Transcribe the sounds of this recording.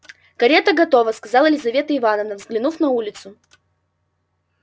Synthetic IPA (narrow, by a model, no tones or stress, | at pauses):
kɐɾʲet̪əɡɐt̪o̞vəskɐzɑlˠɪlʲɪzɐvʲe̞t̪əɪvanəvnəvzɡlʲɪnufnɐulʲɪt̪sʊ